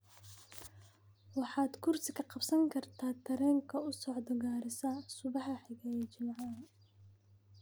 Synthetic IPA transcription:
wɑħɑːd̪kʰʊrsɪkʰɐqɑbsɐŋkʰɐrt̪ʰaːt̪ʰɐɾɛːŋkʰɐʊsɔʕd̪ɔɡaːɾɪsɐsʊβɑhɐħɪɣɐɛt͡ʃɪmʕɑ

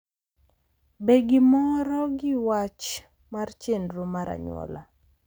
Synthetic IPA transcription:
beɡɪmɔɾɔɡɪwat͡ʃ | mart͡ʃendɾomaɾa̰ɲwɔ̰la

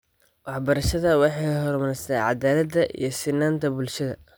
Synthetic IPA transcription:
wɑħbɐɾɐʃɐðɐwɑħɑjɦɔrmɐɾɛst̪ʰɛjʕɑ̰d̪aːlɐd̪ɐʔḭjɞsɪnːaːnt̪ʰɐbʊlʃɐðɐ̰

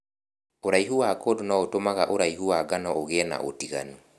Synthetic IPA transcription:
oɾaiɦuwakodonɔotomaɣaʔoɾaihuwaɡanɔʔoɣɛna̰ʔo̰tiɣa̰nu

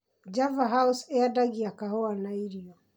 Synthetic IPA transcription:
d͡ʒavaɦauseadaɣiakaɦoanaiɾiɔ

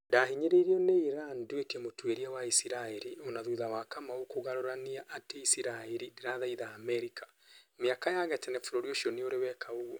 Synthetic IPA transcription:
daɦiɲeɾeiɾiɔneiɾanduekɛmotweɾiawaisiɾaeɾionaðuðawakamaokoɣaɾoɾaniaʔːteisiɾaeɾideɾaðaiðaːmɛɾika | meakajaɣɛtɛnɛfoɾoɾioʃiɔneoɾewɛkʰaoɣwɔ

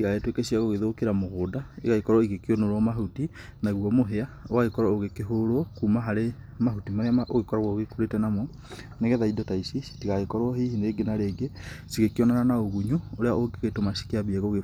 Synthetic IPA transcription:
iɣaetwekeʃiaɣoɣeðokeɾamoɣoːdaeɣaikɔɾɔiɣekionoɾɔmaɦuti | naɣwɔmoɦeaoaɣekɔɾɔoɣekeɦoɾwɔkumaɦaɾe | maɦutimaɾeaaʔoɣekɔɾaɣwɔɣekuɾetɛnamɔ | neɣɛðaidɔtaisii̥tiɣaɣekɔɾɔhihineɡenaɾeːɡesiɣekiɔnananaoɣuɲuoɾeaʔoɡeɣetomaʃi̥kiaβieɣoɣe

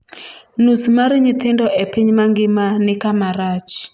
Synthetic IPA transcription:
nusmaɾiɲit̪ʰindɔʔɛpʰiɲimaŋɡimanikamaɾaːt͡ʃʰi̥

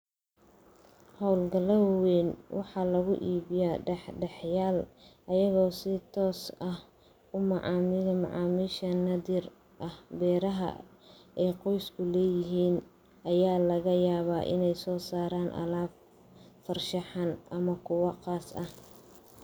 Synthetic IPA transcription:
hɔwlɡɐlɐwwɛːnwʔɑħɑlɐɣʊʔiːβɪjaːɖɛħɖɛħjaːlʔɐjɐɣɔːsɪt̪ʰɔːsɐh | ʊmɑʕɑːmɪðɐmɑ̰ʕɑːmiːʃɐnɐðir | ʔɐhbɛːɾɐɦɐ̰ɛjqɔjskʰʊlɛːjɪɦiːn | ʔɐjaːlɐɣɐjaːβaːʔɪ̰nɛjsɔːsaːɾaːnʔɐ̰laːb | fɐrʃɑħɑnʔɐmɐkʰʊwɑqɑːsɐ̰h

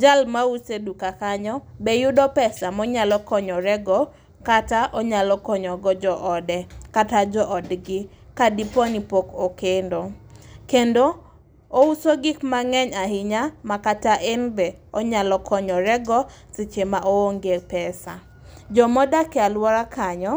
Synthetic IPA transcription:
d͡ʒalmausedukakaɲɔbejʊdɔpɛsamɔɲalɔkɔɲɔɾɛɡɔ | kataʔɔɲalɔkɔɲɔɡɔd͡ʒɔʔɔdɛkatad͡ʒɔʔɔdɡɪ | kadipɔnipokokendokendoː | usoɡɪkmaŋɛɲaɦɪɲamakataʔenbɛ | ɔɲalɔkʰɔɲɔɾɛɡɔ | t͡sɪt͡ʃemaʔooŋɡepɛsa | d͡ʒɔmɔdakɛalwɔɾakʰaɲɔ

